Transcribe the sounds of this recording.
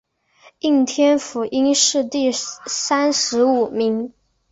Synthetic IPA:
i˥˩ŋt̪ʰjɛ˥nfu˧˩ʔi˥ŋʂɻ̩˥˧t̪i˥˩sa˥nʂɻ̩˧˥u˨˩mi˧˥ŋ

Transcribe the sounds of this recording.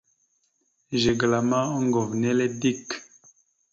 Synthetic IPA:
ʒe˨ɡla˨mã˦ɔ˦ŋɡɔ˨vnɛ˦le˦di˦k

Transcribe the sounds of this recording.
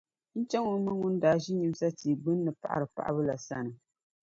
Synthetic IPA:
n̩˦t͡ʃɛ˦ŋu˨˦mɨ˦ŋu˦n˦daː˨ʒi˦ɲi˦m˦sa˦tiː˨ɡ͡bɨ˦nː˦ɨ˨pa̰˨ʔa̰˨ɾɨ˨pa̰˨ʔa̰˦βɨ˦la˨sa˦nɨ˨

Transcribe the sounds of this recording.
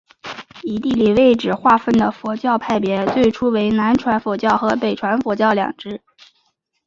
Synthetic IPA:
i˨˧˩t̪i˥˩li˨˩we˥˩ɪʈ͡ʂɻ̩˨˩xwa˥˧fə˥˩nd̪ə˩fwɔ˧˥t͡ɕjɑ˥˧ʊpʰa˥˩ɪpjɛ˧˥t͡swe˥˩ɪʈ͡ʂʰu˥we˧˥ɪna˧˥nʈ͡ʂʰwa˧˥nfɔ˧˥t͡ɕjɑ˥˩ʊxɤ˧˥pe˨˩ɪʈ͡ʂʰwa˧˥nfɔ˧˥t͡ɕjɑ˥˩ʊljɑ̰˨˩ŋʈ͡ʂɻ̩˥

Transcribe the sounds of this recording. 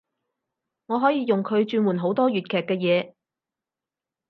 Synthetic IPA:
ŋɔː˨˧ɦɔː˨˥jiː˨˧jʊ˨ŋkʰɵ˨˧ɥt͡ʃyː˧nwuː˨˩nɦo˨˥wt̪ɔː˥jyː˨t̚kʰɛː˨kːɛː˧jɛː˨˧

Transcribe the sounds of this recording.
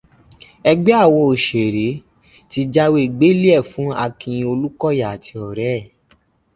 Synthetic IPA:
ɛ˧ɡ͡bɛ˦a˦˨wɔ˧o˨ʃe˨ɾe˨˦ | ti˧d͡ʒa˦we˦i˨ɡ͡be˨˦li˦ɛ˦˨fũ˨˦a˧kĩ˧j̃ĩ˧o˧lu˦kɔ˦ja˨a˨tʰi˧ɔ˨ɾɛ˦˨

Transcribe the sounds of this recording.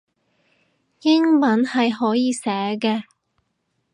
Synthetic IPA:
jɪ˥ŋmɐ˨˥nhɐ˨jɦɔː˨˥jiː˨˧sɛː˨˥kɛː˧

